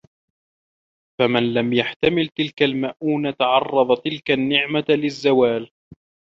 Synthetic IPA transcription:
famanlamjaħt̪amɪlt̪ɪlkalmaʔuːnat̪aʕɑrˤːɑðˤt̪ɪlkanːɪʕmalɪzːawaːl

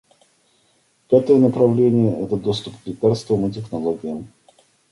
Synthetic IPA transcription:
pʲat̪əjənəpɾɐvlʲenʲɪjəʔɛt̪əd̪ost̪ʊpɡlʲɪkarst̪vəmɨt̬ʲɪxnɐlˠoɡʲɪjəm

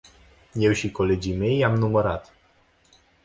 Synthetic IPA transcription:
jɛwɕikɔled͡ʑimejamnumɔɾat̪

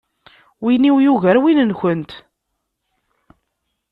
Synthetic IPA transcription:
winiwjuʝəɾwinənçənt̪

